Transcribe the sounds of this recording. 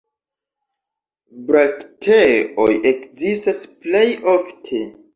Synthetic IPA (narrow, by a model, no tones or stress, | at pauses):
bɾaktʰeʔo̰je̞kzistasple̞joftʰe̞